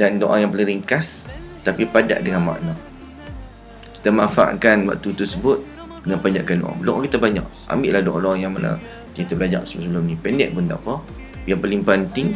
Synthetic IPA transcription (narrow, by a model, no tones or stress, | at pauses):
dandoʔa̰ŋjaŋpəlĩŋɾiŋkast̪apipada̰ʔdəŋanma̰ʔna | ki̥t̪əmafa̰ʔkanwa̰k̚t̪ut̪usəbʊt̪̚ | dəŋanpaɲd͡ʒaʔkando̰ʔã̰ŋbəloʔaŋkit̪abaɲa̰ʔ | a̰mbɪʔlahdoʔlaŋjaŋmana̰ | kiit̪əbəlad͡ʒa̰ʔsəbsəbəlʊmnĩpɛndɛ̰ʔ̚pʊnd̪a̰ʔpɔ | japəlimpant̪iŋ